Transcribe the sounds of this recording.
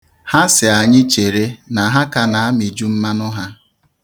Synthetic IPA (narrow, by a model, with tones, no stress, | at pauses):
ha˦sɪ˨a˨ɲɪ˦t͡ʃe˨ɾe˦na˨ɦa˦ka˨na˨a˦mi˨d͡ʒu˦m̩˦ma˦nʊ˦ɦa˦